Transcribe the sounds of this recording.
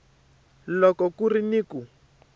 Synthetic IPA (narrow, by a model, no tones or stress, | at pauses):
lɔkɔkuriniːku